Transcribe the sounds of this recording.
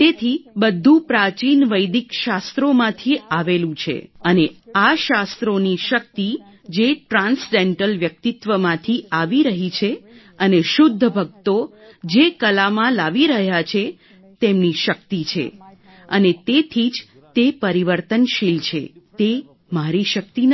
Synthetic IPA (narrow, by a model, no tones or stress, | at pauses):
t̪et̪ʰibəd̪ʱːũpɾat͡ʃinʋəjd̪ikʃast̪ɾomãt̪ʰiaʋelũt͡ʃʰḛəneaʃast̪ɾoniʃək̚t̪i | d͡ʒeʈɾãnsɖeɳʈəlʋjək̚t̪it̪ʋəmãt̪ʰiaʋiɾəɦit͡ʃʰe | əneʃʊd̪ʱːəbʱəɡ̚t̪o | d͡ʒekəlamãlaʋiɾəɦjat͡ʃʰe | t̪emniʃək̚t̪it͡ʃʰḛ | ənet̪et̪ʰid͡ʒ | t̪epəɾiʋəɾt̪ənʃilt͡ʃʰḛt̪e | maɾiʃək̚t̪in